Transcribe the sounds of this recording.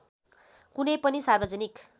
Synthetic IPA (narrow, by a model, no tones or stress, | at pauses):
kunʌjpʌnisarbʌd͡zʌnik